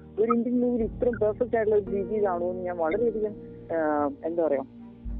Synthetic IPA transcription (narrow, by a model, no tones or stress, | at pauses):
oɾindinnuːʋilit̪ːrɐmpɐrfek̚ʈaːjʈlɐoɾudiːsiːðaːɳuonːuɲaːnʋɐɭɐɾeːðikʲːɐn | end̪apɐrɐja̰ːm